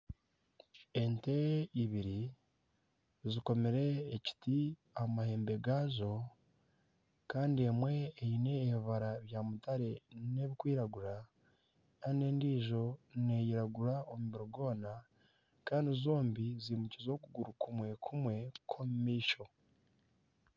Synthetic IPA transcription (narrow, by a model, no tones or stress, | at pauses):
e̞nteiβiɾi | ziko̞meɾe̞ːci̥ti | amahe̞ːmbe̞ɡaːzo̞ | kaːndiemwe̞ːjine̞ːβiβaɾaβjaːmutaɾe̞ne̞βikwiːɾaɡuɾa | kaːnde̞ːndiːʒo̞ne̞jiɾaɡuɾaomuβiɾoɡo̞ːna | kaːndizo̞ːmbizimucizo̞ːkuɡuɾukʰumwe̞kʰumwe̞kʰo̞mumiːʃo̞